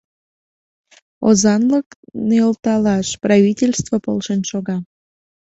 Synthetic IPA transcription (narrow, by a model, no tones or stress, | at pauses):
o̰zɑnləkneəlt̪ɑlɑʃprɑvʲitʲelʲst̪vopo̰lˠʃenʃoɣɑ